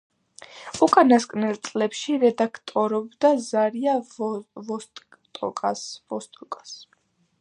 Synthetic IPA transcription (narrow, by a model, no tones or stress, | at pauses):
ukʼanaskʼnɛlt̪sʼlɛpʃiɾɛd̪akʰt̪ʼɔɾɔbd̪azaɾiavɔst̪ | t̪ʼɔ̰kʼasvɔst̪ʼɔkʼḁs